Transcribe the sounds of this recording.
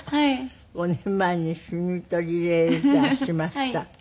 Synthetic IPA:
konemænʲːisynyt̪ːˑolʲilet̪æsimæst̪ːæ

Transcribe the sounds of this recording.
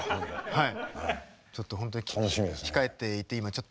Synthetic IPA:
hai | t͡ɕo̞t̪ːo̞hont̪oɲinɕiesʲi̥kae̞t̪ːe̞it̪ːe̞imat͡ɕo̞t̪ː

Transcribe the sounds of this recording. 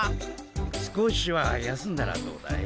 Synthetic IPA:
sɨ̥koɕiβajasɨ̃nd̪aɾa̰d̪o̞̰ːd̪a̰e

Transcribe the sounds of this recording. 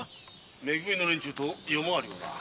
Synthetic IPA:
meɡuinonɯnt͡ɕut̪ʰojomoaɾioda̰

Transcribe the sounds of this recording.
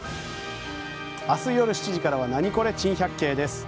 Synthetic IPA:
asɨijo̞ɾɯ̟ɕi̥t͡ɕiʑikaɾaβ̞anaɲ̟iko̞ɾe̞t͡ɕĩɰ̃çʲakːe̞ːd̪e̞sɨ̥

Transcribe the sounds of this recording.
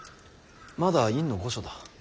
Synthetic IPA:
mad̪aĩnːo̞ɡo̞ɕod̪a

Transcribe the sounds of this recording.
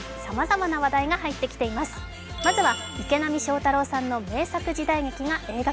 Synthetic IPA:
samazamanaβad̪aiɡaɦait̪ːe̞kʲi̥t̪e̞imasɨ̥ | mazɨβa | ike̞namʲiɕo̞ːt̪aɾo̞ːsãnːo̞me̞ːsakɯ̟ʑid̪aiɡe̞kʲiɡaʔe̞ːɡa

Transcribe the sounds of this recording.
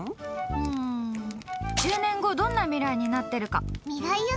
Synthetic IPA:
ɯ̟̃ɴ | d͡ʑɨːnẽ̞ŋɡo̞d̪õ̞nːamʲiɾaiɲ̟inat̪ːe̞ɾɯ̟ka̰mʲiɡai

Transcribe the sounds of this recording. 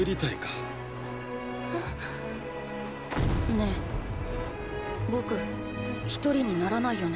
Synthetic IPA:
ɯɾʲit̪aikḁ | ne̞ | bo̞kɯ̟ | çi̥t̪o̞ɾʲiɲ̟inaɾanaijo̞ne

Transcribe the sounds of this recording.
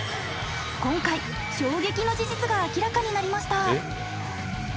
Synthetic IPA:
kõ̞ŋkai | ɕo̞ːɡe̞kʲino̞d͡ʑiʑit͡sɨɡaːkʲiɾakaɲ̟inaɾʲimaɕi̥t̪a

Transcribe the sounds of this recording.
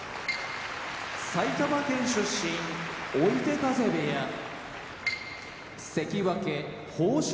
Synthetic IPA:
sait̪amakẽ̞ɰ̃ɕɨɕːĩŋoit̪e̞kaze̞beja | se̞kʲiβakẽ | hoːɕ

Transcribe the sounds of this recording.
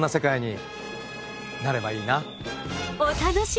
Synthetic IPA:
nːase̞kaiɲ̟i | naɾe̞baiːna | ot̪ad̪aɕi

